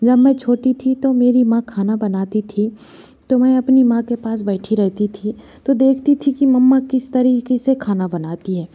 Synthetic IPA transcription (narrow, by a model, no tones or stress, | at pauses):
d͡ʒɐbmɛ̃t͡ʃʰoːʈit̪ʰit̪omeːɾimãkʰaːnabɐnaːt̪it̪ʰi | t̪omɛ̃ɐpnimãkepaːsbɛːʈʰiɾɛɦt̪it̪ʰi | t̪od̪eːkʰt̪it̪ʰikimɐmːakɪst̪ɐɾiːkesekʰaːnabɐnaːt̪iɦɛː